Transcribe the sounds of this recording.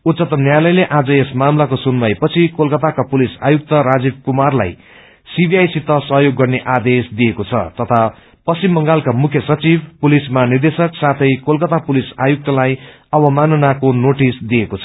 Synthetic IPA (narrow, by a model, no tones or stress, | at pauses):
ut̪sʌt̪ʌmnjalʌjleʔad͡zʌesmamlakosunmʌjpʌt͡sʰikolkʌt̪akapulisa̰juk̚t̪ʌɾad͡zib̚kumarla̰j | sibʱiajsit̪ːʌsʌɦjoɡːʌrneʔad̪esd̪ijekot͡sʰʌ̰t̪ʌt̪ʰa | pʌst͡simːʌŋɡalkamukʰjʌsʌt͡sibpulismanird̪esʌksat̪ʰʌjkolkʌt̪apulisa̰juk̚t̪ʌlaj | ʌbʌmanʌnakonoʈisd̪ijekot͡sʰʌ̥